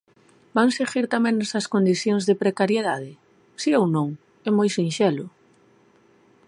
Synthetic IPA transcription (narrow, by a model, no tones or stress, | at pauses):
baŋseɣiɾt̪amɛ̃ŋnɛsɐskond̪iθjoŋzðepɾekaɾjeð̞aðɪ | siownõŋ | ɛmojsinʃɛlʊ